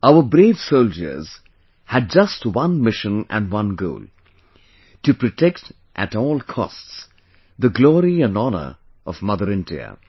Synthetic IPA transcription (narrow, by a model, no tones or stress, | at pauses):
aʊəbɾeːv̥soʊld͡ʒə̰˞z̥ | hæd̚d͡ʒʌstwʌ̃nmɪʃə̃næ̰̃nwʌ̃nɡo̰ːl | tɨpɾɨtʰekt | ʔætɔːlˠkʰɔ̰sts | d̪əɡlɔːɾiæ̃nɔnə̰˞ | ʌvmʌðəɾɪ̃ndḭə̰